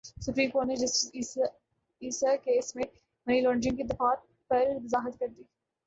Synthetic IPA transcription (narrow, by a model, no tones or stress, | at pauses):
sʊpɾiːmkoːʈned͡ʒɐsʈɪi | iːsakeːsmẽ | mɐniːlɔ̃ːɳɖɾɪ̃ŋɡkid̪ɪfaːt̪̚ | pɐɾmɐzaːɦət̪kɐɾd̪iː